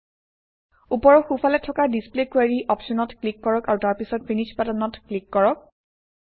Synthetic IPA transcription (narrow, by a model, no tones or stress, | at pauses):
upɔɹɔxufalɛtʰːɔkadisplekwaɹiʔɔpʃɔnɔtklikːɔɹɔkaɹutaɹpisɔtfinit͡ʃpatanɔtklikːɔɹɔk̚